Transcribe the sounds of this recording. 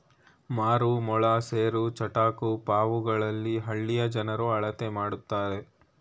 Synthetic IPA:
maːɾumɔɭaseːɾut͡ʃɐʈaːkupaːʋuɡɐɭɐlːiɦɐɭːijɐd͡ʒɐnɐɾuɐɭɐt̪emaːɽut̪ːaːɾe̞

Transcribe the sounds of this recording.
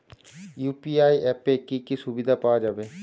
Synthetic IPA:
juːpiːaːiʔɛːpeːkikisʊbid̪apaːd͡ʒaːbeː

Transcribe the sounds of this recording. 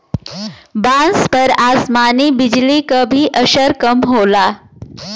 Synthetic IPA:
bãnspəɾasmanibid͡ʑlikəbʱiːʔəɕəɾkəmɦola

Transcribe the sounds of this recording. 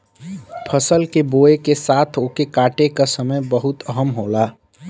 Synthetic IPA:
pʰəsəlkeboːekesaːt̪ʰoːkekaːʈekasəməjbəɦʊt̪əɦəmɦoːlaː

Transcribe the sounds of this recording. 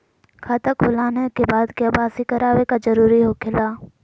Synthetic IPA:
kʰaːt̪əkʊlaːnekeːbaːd̪keɐbaːsikəɾaːʋekazəɾuːɾiɦoːkʰɪlaː

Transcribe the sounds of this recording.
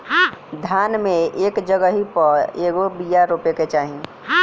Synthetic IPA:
d̪ʱjaːnmẽeːkd͡ʒəɡəɦipəɾeːɡobijaɾupeket͡ʃaːɦĩ

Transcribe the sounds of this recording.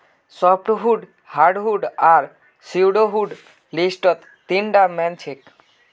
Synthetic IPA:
sɔp̚ʈɦuɖ | haɾɖɦuɖaɾ | siwɖoɦuɖ | lisʈɔt̪ːiɳɖamɛnt͡ɕʰek

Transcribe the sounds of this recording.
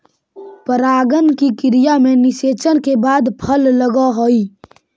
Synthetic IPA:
pəɾaːɡənkikɪɾijamẽnɪʃeːt͡ʃənkebaːd̪pʰəlːəɡaɦoːiː

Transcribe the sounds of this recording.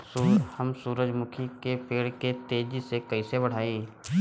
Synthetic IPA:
uhɐmsuːɾəd͡ʒmʊkʰikepeːɽket̪eːd͡ʒisekɐisebɐɽ̤aːiː

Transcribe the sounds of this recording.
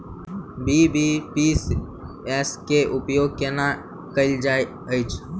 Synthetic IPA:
biːbipis | eskeʔʊpjoːɡ̚kenã | kəld͡ʒaː | əɪt͡ʃʰ

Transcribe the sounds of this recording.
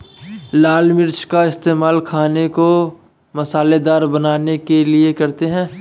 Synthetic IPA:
laːlmɪɾt͡ʃʰkaɪst̪eːmaːlkʰaːneko | mɐsaːled̪aːɾbɐnaːnekeliekɐɾt̪eɦɛ̃ː

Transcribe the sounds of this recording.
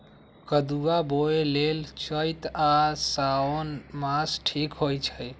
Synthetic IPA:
kəd̪uaboelelt͡ʃəjt̪asaonmasʈʰikɦojt͡ʃʰəj

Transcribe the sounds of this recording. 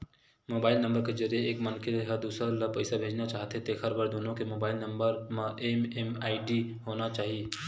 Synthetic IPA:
moːbaːɪlnə̃mbəɾked͡ʒəɾijeeːkmənkeɦəd̪uːsələpɐɪsabʱeːd͡ʒnat͡ʃaːɦt̪ɦet̪eːxʰəɾbəɾd̪oːnõkemoːbaːɪlnɐmbəɾmẽʔememaːɪɖiɦoːnat͡ʃaːɦie

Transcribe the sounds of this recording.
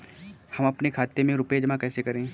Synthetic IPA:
hɐmɐpnekʰaːt̪emẽɾʊped͡ʒɐmãkɛːsekɐɾẽː

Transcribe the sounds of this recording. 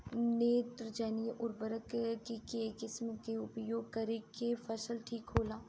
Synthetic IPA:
neːt̪ɾəd͡ʒɛːnijeʔʊɾbəɾəkkikekɪsmkeʊpjoːɡ̚kɐɾikefɐsəlʈʰiːkɦoːlaː

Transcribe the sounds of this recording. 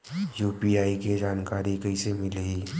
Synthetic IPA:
juːpiaːiked͡ʒaːnkaːɾikɐisemɪleiː

